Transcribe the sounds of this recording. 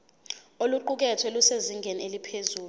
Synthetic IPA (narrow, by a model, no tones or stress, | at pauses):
oluǃuk̬ɛtʰwɛluseziŋʱenielipʰezuːlu